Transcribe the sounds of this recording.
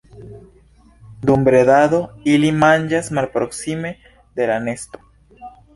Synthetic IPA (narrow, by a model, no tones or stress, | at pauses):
d̪umbɾeðaðoilimand͡ʒasmalpɾoksime | ðelanest̪o̥